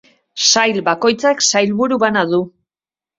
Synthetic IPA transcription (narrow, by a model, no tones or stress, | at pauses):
sajlbako̞jt͡saksajlβuɾuβanaðu